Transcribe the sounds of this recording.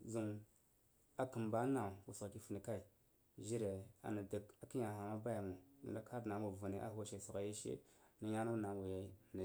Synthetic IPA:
zu˨m | a˨kə˨mba˦na˨wu˨sa˨ki˦fə˨ni˨ka˦i˨ | ʒi˦ɾe˨a̰˨na˨də˨ka˨ki˦ɲa˨a˨ma˦ba˦ja˨mu˨nə̰˨na˦ka˦ɾna˨˦u˨va˨ne˨ʔa̰˦hʃe˨su˨a˨je˦ʃḛ˦nə˦ja˦na˦na˨wu˨ja˦˨na˨

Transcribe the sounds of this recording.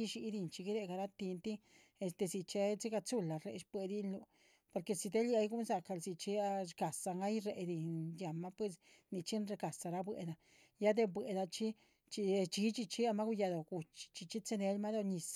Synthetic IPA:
i˦ʃi˧˦d̪i˧nt͡ʃi˧ɡi˦ɾe˧ɡa˧ɾa˦t̪i˧nt̪i˦ | e˧st̪e˧zi˧t͡ʃe˧t͡si˦ɡa˧t͡su˦la˨ɾḛ˨ʃpwe˧d̪i˦nlu˧ | po˧ɾke˧si˧d̪e˦lja˧jɡu˦nza˧ka˧lsi˧t͡ʃi˧a˧ɾɡa˨sa˧ŋa˦jɾe˨d̪i˨nja˨ma˦pwe˧s | ni˧t͡ʃi˦nɾe˧ɡa˨sa˧ɾa˦bwḛ˧˨d̪a˧ | ja˦d̪e˧bwe˨d̪a˧t͡ʃi˦ | t͡ʃi˧t͡ʃi˧˦t͡ʃi˧t͡ʃi˦a˧ma˦ɡu˧ja˧d̪o˨ɡu˨t͡ʃi̥˨t͡ʃi˧t͡ʃi˦t͡se˧ne˧lma˦d̪o˧ɲi˨s

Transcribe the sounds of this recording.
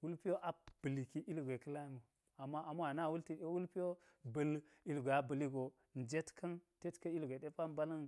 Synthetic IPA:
wu˦lpi˦jo˦ʔa˦b̥ə˨li˨ki˦ʔi˦lɡʷe˨kə˦la˦mu˨ | a˨ma˦a˨m˦a˨na˦˨wu˦lti˨˦wu˦lpi˦jo˦ | bə˨l | i˦lɡʷe˨a˦bə˨li˦ɡo˨ | n˨d͡ʒe˦tkʰɐ˦nte˦tka˦i˦lɡʷe˨de˦pa˦m˦ba˦lɐ˦n

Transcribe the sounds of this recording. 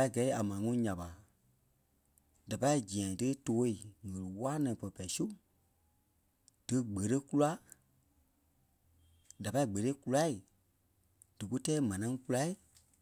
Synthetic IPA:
a˧i˦˨ɡɛ˨˦a˨mãː˨ŋũ˦˧˦ɲã˨ɓa˨ | d̥a˨pa˧i˦˨d͡ʒĩ˨ã˨dɨ˦toː˦i˨ŋə̃˨lɨ˨waː˦nã˨pə˧˨pa˨i˨su˦ | d̥ɨ˨˧ɡ͡bə˨ɾə˦ku˦la˦ | da˨pa˧i˦ɡ͡bə˨ɾe˦ku˦˧la˦i˨ | d̥ɨ˨ku˦tɛː˦mã˨nã˧˦ŋ˦ku˦la˦i˨

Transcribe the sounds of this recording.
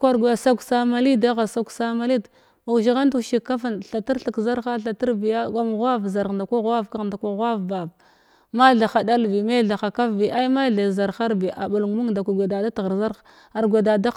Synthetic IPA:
kʷa˦ɾɡʷja˨sa˦ksa˦ma˦li˦da˦ɣa˨sa˦ksa˦ma˦li˦d | a˨ʃ̬i˨˦ɣa˦ntu˦˨ʃi˨kːa˦fa˦nɬa˨ti˦ɾɬi˨kza˦ɾxa˦ɬa˨ti˦ɾbi˨ja˦ɡa˦m˨ɣa˦vza˨ɾɣda˨kʷa˦ɣwa˦vka˦ɣnda˨kʷa˦ɣa˦vba˨v | ma˦ɮa˨xa˨da˦lvi˨ma˦ɮa˨xa˨ka˦vvi˨ʔa˦i˦ma˦ɮa˨za˨ɾxa˦ɾbi˨ʔa˨bu˨lŋ˨mu˦ŋda˨kʷa˨ɡʷe˨da˨da˦tɣa˨za˦ɾ | a˨ɾɡʷe˨da˨da˦

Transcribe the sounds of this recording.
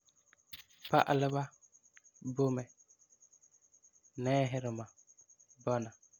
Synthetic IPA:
pa̰˦ʔlɪ˦ba˦ | bʊ˦mɛ˨ | nɛː˦ɦɪ˦ɾɪ˨ma˨ | bɔ˦na˨

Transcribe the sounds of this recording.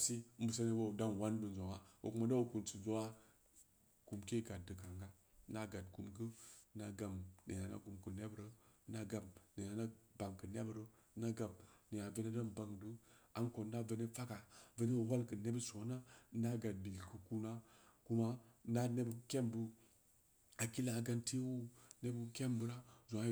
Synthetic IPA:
si˦m̩˦bu˨sa˦ne˦bo˦˨da˦nwa˦nbə˨n˨zo˨ŋa˦wo̰˨ku˦ma˦da˦wo˨ku˨nt͡su˨zo˦wa˦ | ku˨mke˦ɡa˨t̚dɨ˨ka˨ŋɡa˦ | na˦ɡa˨d̚ku˨mɡɨ˦na˨ɡa˨mnḛ˨ja˨na̰˦ɡu˨mkɨ˨ne˦bɾə˦na˦ɡa˨mne˨na˨na˦ba˨ŋkɨ˨ne˦bɾə˦ | na˦ɡa˨mne˨ja˨ve˦ne˦da˦mba˨ŋdu˦a˦nko˨n˦da˦ve˨ne˦fa˦ka˨və˦ne˦˨wa˦lkɨ˨ne˦bə˦so˨˦na˦na˦ɡa˨d̚bi˨lkə˨ku˦na˦ku˦ma˦na˦ne˦bke˦mbɨ˦ | a˨ki˦la˨ɡa˦nte˦wu˦ne˦bə˦ke˦mbɨ˦ɾa˦zo˨a˦

